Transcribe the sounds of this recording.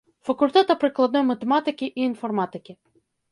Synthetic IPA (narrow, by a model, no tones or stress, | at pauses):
fɐkʊlʲt̪ɛt̪ɐpɾɪklˠɐd̪nɔjmɐt̪emɑt̪ɪkʲiʔiːnfɔrmɑt̪ɪkʲɪ